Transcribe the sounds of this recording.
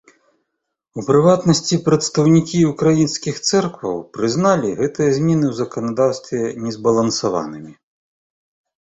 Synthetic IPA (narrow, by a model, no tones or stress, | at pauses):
upɾɨvat̪nɐsʲt͡sʲipɾɐt̪st̪ɐwnʲikʲiukɾajinskʲixt̪sɛrkvɐ̰wpɾɨznalʲiɣɛt̪ɨjɐzʲmʲɛnɨwzɐkɐnad̪awst̪vʲɛnʲɛzbɐlˠɐnsava̰nɨmʲi